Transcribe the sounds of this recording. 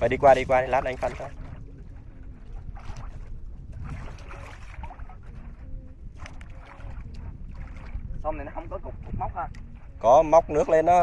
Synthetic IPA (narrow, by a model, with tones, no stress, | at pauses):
vəː˨˩ɗi˧kwaː˧ɗi˧kwaː˧ɗe˨˦laː˦˥nʔa˧jŋ̟fa˧˩nt̪a˧˩ | sɔ˧mni˨˩nɔ˨˦hə˧wŋ͡mkɔ˨˦kʊ˨˩k͡p̚kʊ˨˩k͡p̚ma˦wk͡p̚haː˧˩ | kɔ˨˦ma˦˥wk͡p̚nɨ˦˥ək̚le˧nɔ˨˦